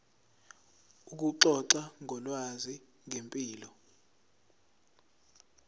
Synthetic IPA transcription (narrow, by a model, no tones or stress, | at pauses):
uk̬uǁɔǀaŋʱɔlwazi | ŋʱempʼiːlɔ